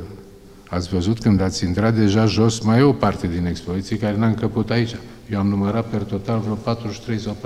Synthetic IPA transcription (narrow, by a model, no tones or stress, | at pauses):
at̪sʲvəzut̪kɨnd̪at̪sʲint̪ɾat̪̚d̪e̞ʒaʒo̞smajo̞part̪e̞d̪ine̞kspo̞zit̪sijekaɾe̞naɨŋkəput̪ait͡ʃʲajewamnuməɾat̪̚pe̞rt̪o̞t̪alvɾopat̪ɾuʃi̥t̪ɾe̞jsawpa